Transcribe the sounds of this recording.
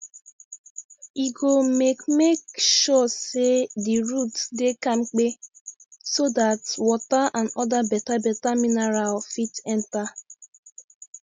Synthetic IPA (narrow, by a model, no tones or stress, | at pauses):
iɡomekmekʃɔsediɹutdekãmk͡pe | sodatwɔtaãnɔdabɛtabɛtaminɛɹalfitɛ̃nta